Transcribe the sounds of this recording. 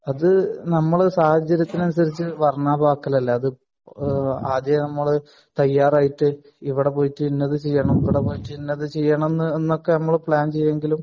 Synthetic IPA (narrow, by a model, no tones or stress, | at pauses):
ɐðɨnɐmːɐɭsaːhɐd͡ʑɐɾjɐt̪ːinɐnusɐɾit͡ɕːɨʋɐrɐɳaːbʱaːkːɐlɐlːɐːðɨ | aːd̪jɐɐnɐmːɐɭ | t̪ɐjːaːraːjiʈːɨ | iʋiɽe̞poːjitːɨinːɐðɨt͡ɕe̞jːɐɳɐmiʋiɽepoːjitːɨinːɐðɨt͡ɕe̞jːaːɳɐmnːenːokːe̞nɐmːɐɭpɭaːnt͡ɕe̞jːeŋɡilum